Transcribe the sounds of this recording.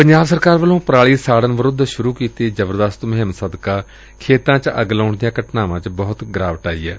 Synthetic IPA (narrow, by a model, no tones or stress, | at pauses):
pəɲd͡ʒaːbsəɾkaːɾʋəlõːpɾaːɭiːsaːɽənʋəɾʊd̪ːʃʊɾuːkiːt̪eːd͡ʒəbəɾd̪əst̪məɦəmsəd̪kaː | kʰeːt̪ãːt͡ʃəɡlaːʊɳd̪ijãːkəʈnaːʋãːt͡ʃbɔːʊt̪ɡɾaːʋəʈaːḭːɛː